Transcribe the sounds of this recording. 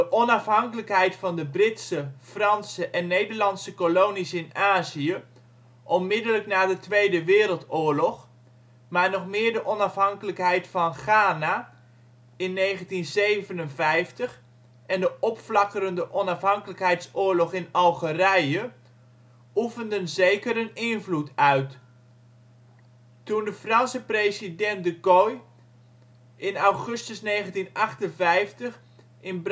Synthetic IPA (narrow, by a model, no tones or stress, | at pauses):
dəʔɔnɑfɦɑŋkələkɦɛjtfɑndəbrɪtsəfrɑnsəʔɛnːejdəɹlɑnsəkolownisɪnaːziə | ʔɔnmɪdələknaːdətʋejdəʋɪːɾəlˠtʊːɹlɔχ | maːɹnɔχmɪːɹdəʔɔnɑfɦɑŋkələkɦɛjtfɑnχaːna | ɪnːejχəntinzejvənənvɛjftəχ | ɛndəʔɔpflɑkəɾəndəʔɔnɑfɦɑŋkələkɦɛjtsʊːɹlɔχɪnɑlˠχərɛjə | ufəndənzejkəɾənɪnvlutʰœɥt | tundəfrɑnsəprejzidɛntdəɡoj | ɪnawχɵstəsneːχəntinɑχtənvɛjftəχ | ɪnb